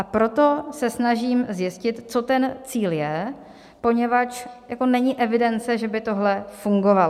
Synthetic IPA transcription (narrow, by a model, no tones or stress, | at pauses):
ʔapɾo̞t̪o̞sɛsnaʒiːmzjɪscɪt̪t͡so̞t̪ɛnt͡siːljɛ | po̞ɲɛvat͡ʃjako̞nɛɲɪʔɛvɪdɛnt͡sɛʒɛbɪt̪o̞ɦlɛfuŋɡo̞valo